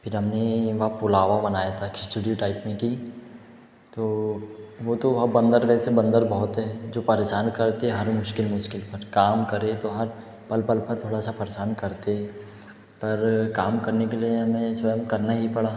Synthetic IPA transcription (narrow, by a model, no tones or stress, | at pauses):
pʰɪɾɦɐmneʋɐɦpʊlaːʋabɐnaːjat̪ʰakɪsʈuɖioʈaːɪpmẽki | t̪oː | ʋot̪oʋɐɦabɐ̃nd̪əɾʋɛːsebɐ̃nd̪əɾbɐɦʊt̪ɦɛːd͡ʒoːpɐɾeːʃaːnkɐɾt̪eɦɛɦɐɾmʊʃkɪlmʊʃkɪlpɐɾkaːmkɐɾet̪oɦɐɾ | pɐlpɐlpɐɾt̪ʰoːɽasapɐɾeʃaːnkɐɾt̪eɦɛ | pɐɾkaːmkɐɾnekelieɦɐmẽsʋɐjəmkɐɾnaɦipɐɽaː